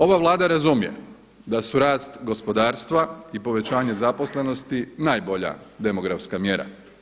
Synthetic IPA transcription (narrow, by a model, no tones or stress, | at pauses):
o̞ʋaʋlˠaːd̪aɾazumje̞̰ | d̪asuɾaːst̪ɡo̞spo̞d̪aːɾst̪ʋaipo̞ʋe̞t͡ɕaːɲe̞zapo̞sle̞no̞st̪inaːjboʎa̰d̪e̞mo̞ɡɾafskamje̞ɾa̰